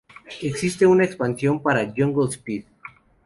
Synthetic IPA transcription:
e̞ksist̪e̞unaekspansjo̞mpaɾaʝoŋɡolspið

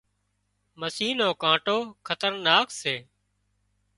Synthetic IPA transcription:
məsiːnõːkãːʈoːkʰət̪əɾnaːkseː

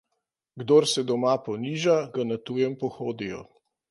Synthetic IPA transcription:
ɡd̪oːɾsɛd̪ɔmapɔniːʒaɡanat̪ujɛmpɔxoːd̪ijɔ̰

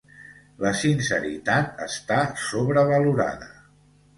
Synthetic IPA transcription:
ləsinsəɾḭt̪at̪ə̰st̪asoβɾəβəluɾa̰ðə

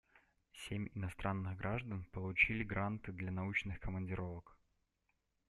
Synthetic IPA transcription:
sʲemʲɪnɐst̪ɾʔanːɨɣɡɾʔaʐd̪ənpəlˠʊt͡ɕilʲɪɡɾant̪ɨd̪lʲanɐut͡ɕnɨxkəmənʲdʲɪɾo̞vək

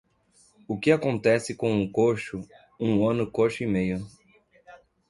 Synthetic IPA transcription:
ʊkɪakõnt̪ɛsɪkõw̃ʊkoʃʊ | ũɐ̃nʊkoʃʊimejʊ

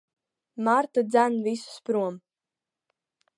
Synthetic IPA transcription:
maɾt̪ad̪zʲænvisu̥spɾuɔm

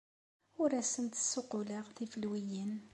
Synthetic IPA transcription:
ʊɾæsənt̪ə̥sːʊqʊləʁθifəlwijən

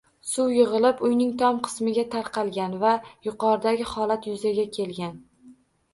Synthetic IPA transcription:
sʊwjɪʁɨlˠɪpʊjnɪŋt̪ʰɒmqʰɨ̥smɪɡʲat̪ʰaɾqʰɑlˠɡʲanvajʊqɒɾd̪aɡʲɪhɒlˠat̪jʊzaɡʲakʲʰe̞lɡʲan

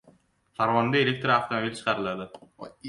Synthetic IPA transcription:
saɾvond̪ɐelʲek̚t̪ɾaft̪ʰomobʲilʲt͡ʃʰɯ̥qʰɑɾɯlˠɑd̪ɯ

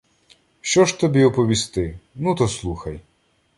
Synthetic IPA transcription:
ʃt͡ʃɔʃt̪ɔbʲiɔpɔʋʲist̪ɪnut̪ɔslˠuxɐj

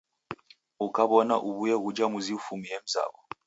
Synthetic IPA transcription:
ukaβɔnaʔuβujɛɣud͡ʒamuziufumijɛm̩za̰βɔ

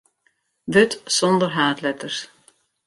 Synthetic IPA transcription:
ʋɵtsɔnd̪əɾɦaːtlɛt̪əɾs

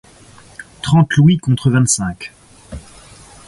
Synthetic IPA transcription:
t̪χɑ̃t̪lwikɔ̃t̪χəvɛ̃t̪sɛ̃k

